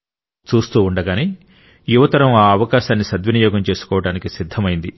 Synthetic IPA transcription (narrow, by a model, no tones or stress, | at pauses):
t͡ʃuːst̪uːuɳɖɐɡaːneː | juʋɐt̪ɐɾɐmaːɐʋɐkaːʃaːnːisɐd̪ʋɐnijɔːɡɐmt͡ʃe̞ːsu̥kɔːʋɐɽaːnikisid̪ʱːɐmɐjind̪i